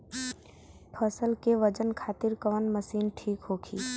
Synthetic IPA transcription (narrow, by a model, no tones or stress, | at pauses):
pʰəsəlkeʋəd͡ʒənkʰaːt̪ɪɾkəʋənməsiːnʈʰiːkɦoːkʰiː